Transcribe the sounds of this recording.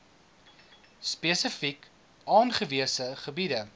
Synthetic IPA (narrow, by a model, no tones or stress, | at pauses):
speəsəfik | ɑːnχəviəsəχəbidə